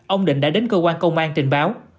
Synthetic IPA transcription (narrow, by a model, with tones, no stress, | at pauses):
ʔə˧wŋ͡mɗḭ̈˧˨ŋ̟ɗa̰ː˧˥ɗe˨˦nkəː˧k̬waː˧nkə˧wŋ͡mʔaː˧nt͡ɕ̪ï˨˩ŋ̟ɓaː˨˦w